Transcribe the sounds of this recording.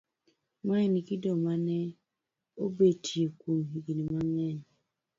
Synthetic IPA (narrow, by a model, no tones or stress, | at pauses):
mainikidɔmanɛ | obetʰiekumɦiɡinimaŋɛn